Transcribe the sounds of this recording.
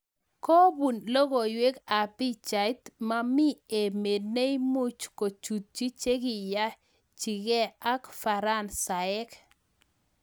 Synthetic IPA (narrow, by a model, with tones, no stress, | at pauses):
ko˦bu˨nlo˦ɡo˨jwe˦ka˨pi˦t͡ʃa˨jt̪ma˦mi˦e˨me˨ne˦jmʊ˦t͡ʃko˨t͡ʃu˨t̚t͡ʃi˦t͡ʃe˦ɡɪ˨ja˦ | t͡ʃi˨ɡe˦a˦kfa˨ɾa˦nsa˨ɛ˦k